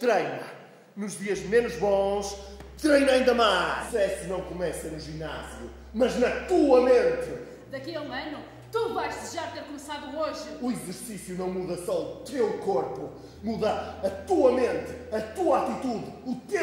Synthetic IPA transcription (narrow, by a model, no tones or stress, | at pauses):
t̪ɾejnɐ | nuʒðiɐʒmenuʒβõʃ | t̪ɾejnɐĩnd̪ɐmaɛsɨnɐ̃w̃kumɛsɐnuʒina̰zjṵ | mɐʒnɐt̪uɐmẽnt̪ɨ | d̪ɐkiɐũɐnu | t̪uvajʃt̪ɨʒat̪eɾkumsaðuoʒɨuizɨɾsisjunɐ̃w̃muðɐsɔut̪ewkoɾpu | muðɐɐt̪uɐmẽnt̪ɨɐt̪uɐat̪it̪uðut̪e